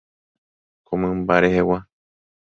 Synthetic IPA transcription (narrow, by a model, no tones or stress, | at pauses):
komɨ̃mbaɾehewa